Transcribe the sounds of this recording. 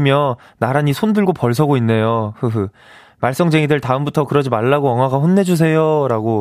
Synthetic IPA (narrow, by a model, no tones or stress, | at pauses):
mjʌ | naɾaɲisʰondɯɭɡopʌɭsʰʌɡoinːe̞johɯ | maɭs͈ʌŋd͡ʑeŋidɯɭtaɯmbutʰʌkɯɾʌd͡ʑimaɭːaɡoʌŋwaɡaɸonːe̞d͡ʑus̬ʰe̞joɾaɡo